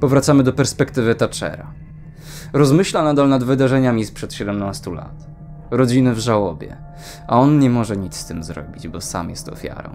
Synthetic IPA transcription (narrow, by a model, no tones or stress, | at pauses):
pɔvɾat̪samɘd̪ɔpɛɾspɛkt̪ɘvɘt̪at͡ʂɛ̰ɾa̰ | ɾɔzmɘɕlanad̪alnad̪vɘd̪aʐɛɲamʲispʂɛt̪ɕɛd̪ɛmnast̪ula̰t̪ | ɾɔd͡ʑinɘvʐawɔbʲjɛ̰ | aɔnɲɛmɔʐɛɲit̪sst̪ɘmzɾɔ̰bʲid͡ʑbɔsa̰mjɛst̪ɔ̰fʲja̰ɾɔ̰̃w̃